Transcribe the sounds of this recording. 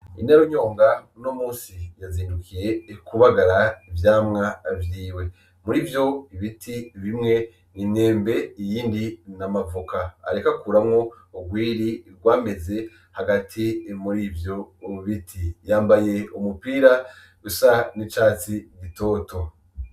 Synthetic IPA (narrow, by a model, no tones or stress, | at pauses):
ḭnaɾoɲo̞ːŋɡanomuːnsijaziːndukʰije̞kuβaɡaɾaivjaːmŋavjiːwe̞ | muɾiːvjo̞iβitʰiβimŋe̞ | nine̞ːmbe̞ijiːndinamavuka̰ːɾekakuːɾamŋo̞ | uɡwiːɾiɡwaːme̞ze̞ | haɡatʰimuɾivjo̞uβitʰijaːmbaje̞umupiːɾa | ɡusanit͡ʃaːt͡siɡito̞ːto